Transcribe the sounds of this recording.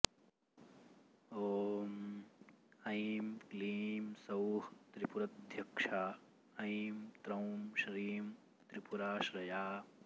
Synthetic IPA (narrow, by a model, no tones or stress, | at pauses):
oːm | ɐjmkliːmsɐwht̪ɾipuɾɐt̪d̪ʱjɐkʂaː | ɐjmt̪ɾɐwmʃɾiːm | t̪ɾipuɾaːʃɾɐjaː